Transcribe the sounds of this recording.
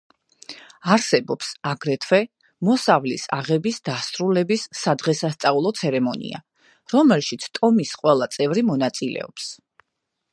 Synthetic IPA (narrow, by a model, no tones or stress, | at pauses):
aɾsɛbɔpsaɡɾɛt̪ʰwɛ | mɔsavlḭsa̰ʁɛbisd̪asɾulɛbisːad̪ʁɛsast̪sʼaulˠɔt̪sʰɛɾɛmɔnḭa̰ | ɾɔmɛlˠʃit̪sʰt̪ʼɔmisqʼwɛlˠat̪sʼɛvɾimɔnat̪sʼilɛ̰ɔ̰ps